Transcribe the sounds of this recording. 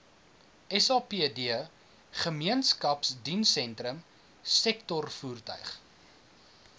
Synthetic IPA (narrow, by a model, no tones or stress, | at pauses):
ɛsɑːpiədiə | χəmiənskɐpsdinsɛntɾəm | sɛk̚tɔrfuːrtœ̰ɥχ